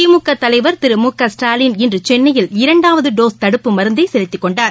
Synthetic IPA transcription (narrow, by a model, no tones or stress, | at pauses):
imukːɐt̪ːɐlɐɪʋɐɾt̪ɪɾɯmukːɐsʈaːlinɛndrɯt͡ʃɛnːɐjɪlɪɾɐɳɖaːʋɐðɯɖoːst̪ɐɽɯpːɯmɐɾɯnd̪ɐɪsɛlɪt̪ːɯkːɔɳɖaːɾ